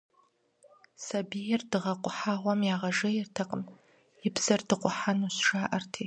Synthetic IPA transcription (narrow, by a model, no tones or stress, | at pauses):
sɐbijɛrdɨʁɐqʷʼʊħaʁʷɐmjaːʁɐʐɐjɪrtʰɐqʼəm | ɪbz̥ɐrdɨqʷʼʊħanuɕʂaːʔɐrtʰi